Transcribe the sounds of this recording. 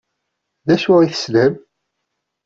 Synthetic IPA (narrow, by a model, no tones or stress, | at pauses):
ðæʃʊʁiθə̥sləm